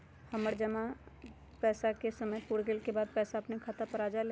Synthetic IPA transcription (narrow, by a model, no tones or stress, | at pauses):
hɐməɾd͡ʒɐma | pɛːsakesəməpuɽɡelkebaːd̪̚pɛːsaɐpnekʰaːt̪apɐɾaːd͡ʒale